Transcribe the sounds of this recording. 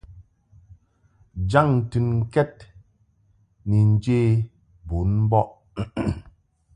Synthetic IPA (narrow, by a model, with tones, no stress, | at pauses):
d͡ʒa˦˨ŋ˨tɨ˨nŋ̩˦kɛ˦t̚ | ni˨n̩˦d͡ʒeː˦˨ | bu˨˦nm̩˦bɔ˦ʔ